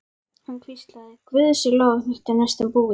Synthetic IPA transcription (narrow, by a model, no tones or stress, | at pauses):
hankʰvist̪laðɪkvɪðsʏloːnɪxt̪anɛst̪ʏmpuːɪ